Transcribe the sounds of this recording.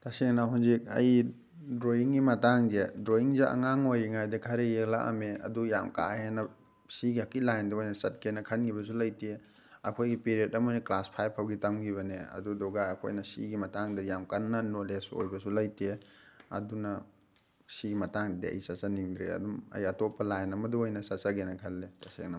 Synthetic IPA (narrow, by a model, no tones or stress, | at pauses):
tɐseŋnaɦunzik̚ɐ̰j | dɾoiŋɡimɐtaŋzedɾoiŋzaʔɐ̰ŋaŋojɾiŋajdɐkʰɐɾejekla̰ʔɐ̰meɐ̰dujamka̰henɐ | siɡiɐkilajndɐojnɐsɐt̚kʰenɐkʰɐnɡʰiβɐsulajte | ɐkʰojɡipeɾietɐmɐniklaspʰajpʰːawɡitɐmɡiβɐneɐ̰dudɔɡaɐkʰo̰jnɐsḭɡimɐtaŋdɐjamkanːɐnoleso̰jbɐsulɐjteɐ̰dunɐ | siɡimɐtaŋddiɐ̰jsɐsaniŋdɾeɐ̰dumɐ̰jɐtopːɐlajnɐmɐduojnɐsɐsaɡenɐkʰɐlːetɐsḛŋnam